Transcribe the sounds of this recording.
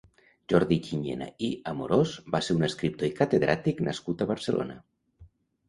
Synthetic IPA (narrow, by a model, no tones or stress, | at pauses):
ʒɔɾðit͡ʃiɲḛna̰iəmuɾozbaseɾunəskɾip̚t̪oikət̪eðɾat̪iknʔə̰skut̪əβəɾsəlʔo̰nə